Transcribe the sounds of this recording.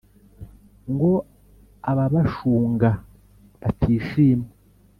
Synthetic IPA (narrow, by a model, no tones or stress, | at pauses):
ŋɡo̞ | aβaβaʃuːŋɡa | βatʰiːʃiːme